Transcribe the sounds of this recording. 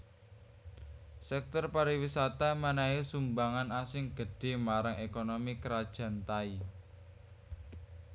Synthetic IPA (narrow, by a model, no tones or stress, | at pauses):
sɛk̚t̪ɔrpaɾiwisat̪amanaesumbaŋanasɪŋɡ̥ə̤ɖ̥e̤maɾaŋekonomikəɾad̥ʒ̥ä̤nt̪ai